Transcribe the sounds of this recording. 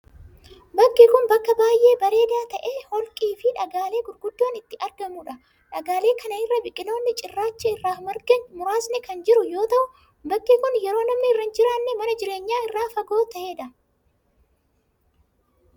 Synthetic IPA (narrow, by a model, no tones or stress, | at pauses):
bɐkːɪkʊnbɐkːɐbaːjʔe̞ːbɐɾe̞ːd̪aːt̪ɐʔeːhɔlkʼiːfɪᶑɐɡaːle̞ːɡʊɾɡʊd̪ːoːnɪt̪ːɪʔɐɾɡɐmuːᶑɐ | ᶑɐɡaːle̞ːkʰɐnɐɪrːɐbɪkʼːɪno̞ːnːɪt͡ʃʼɪrːaːt͡ʃːɐɪrːaːhʊmɐɾɡɐnmʊɾaːsnɛkɐnd͡ʒɪɾʊjo̞ːt̪ɐʔʊ | bɐkːikʊnjɛɾo̞ːnɐmnɪːrːɐnd͡ʒɪɾaːnːɛmɐnɐd͡ʒɪɾe̞ːɲːaːɪrːaːfɐɡo̞ːt̪ɐʔeːᶑɐ